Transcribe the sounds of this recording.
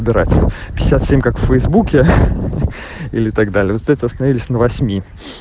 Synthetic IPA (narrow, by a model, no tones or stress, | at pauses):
bʲɪɾa̰tʲpʲɪɪsʲat̪sʲemʲkakfːəjzbukʲɪ | ḭlʲɪt̪ɐɡd̪alʲɪjəvt̪ːɛt̪ʲəɐst̪ənɐvʲilʲɪsʲnəvɐsʲmʲi